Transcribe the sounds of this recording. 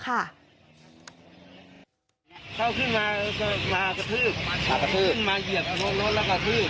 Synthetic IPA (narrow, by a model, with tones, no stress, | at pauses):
kʰa˧˥˩ | kʰa˧˥˩wkʰɯ˧˥˩nmaː˧ka˧˩maː˧ka˧˩t̪ʰɯː˥˩p̚kʰa˧˩ka˧˩t̪ʰɯː˥˩nmaː˧ji˨˩əp̚ɡo˧nlo˦˥t̪̚lɛː˧˩ka˧˩t̪ʰɯː˥˩p̚